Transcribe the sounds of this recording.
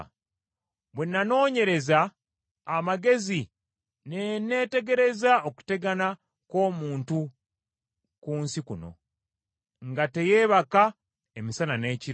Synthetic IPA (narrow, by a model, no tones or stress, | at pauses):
βwe̞nːano̞ːɲe̞ɾe̞zaː | maɡe̞zi | nene̞ːte̞ɡe̞ɾe̞zao̞ku̥te̞ɡana | ko̞ːmuːntu | kuːnsikuno̞̰ | ŋɡate̞je̞ːβaka | emisanane̞ːci